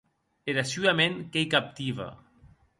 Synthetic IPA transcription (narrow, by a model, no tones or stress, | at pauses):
eɾasyameŋkejkap̚t̪iβa̰